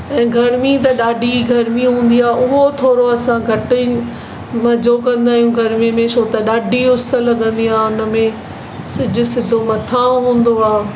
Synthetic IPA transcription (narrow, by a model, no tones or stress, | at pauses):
ɛ̃ːɡʱɐɾmit̪̬ɐɗaːɖʱiɡʱɐɾmiɦũːn̆d̪iaːʊɦot̪ʰoːɾoɐsãɡʱɐʈɪ | mɐd͡ʑokɐ̃nd̪aːɦijũɡʱɐɾmimẽʃʰoːt̪ɐɗaːɖʱiʊsəlɐɠə̃nd̪iaːɦʊnə̆mẽ | sɪd͡ʑʊ̆sɪd̪ʱomɐt̪ʰãɦũːn̆d̪oaː